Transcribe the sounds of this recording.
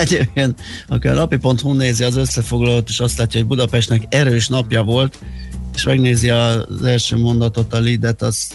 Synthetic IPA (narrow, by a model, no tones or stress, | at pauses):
ɛɟeveːn | ɒ̰kiɒ̰nɒpipo̞nt̪huːneːziɒzø̞sːɛfo̞ɡlɒlot̪eːʃɒst̪laːcːɒɦo̞ɟbud̪ɒpɛʃt̪nɛkɛɾøːʃnɒpjɒvo̞lt̪eːʃmɛɡneːziɒzɛlʃøːmo̞nd̪ɒt̪o̞t̪ɒlid̪ɛt̪ɒz̥